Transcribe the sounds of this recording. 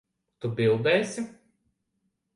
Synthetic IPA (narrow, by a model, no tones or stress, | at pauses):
t̪ʊbʲɪlˠd̪ɛːsʲɪ